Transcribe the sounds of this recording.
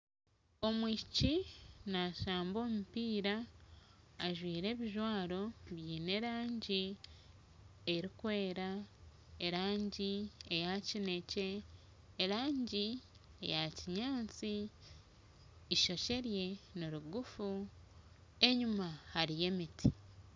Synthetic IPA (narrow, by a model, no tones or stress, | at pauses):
o̞mwicinaʃaːmbo̞ːmupiːɾaː | ʒwiːɾe̞ːβiʒwaːɾo̞βjiːne̞ɾaːɲɟi | eɾikwe̞ːɾa | eɾaːɲɟiejacine̞ce̞ː | ɾaːɲɟi | e̞̰jaciɲaːnt͡si | ʃo̞ʃe̞ɾje̞niɾuɡufu | e̞ɲumahaɾije̞mitʰi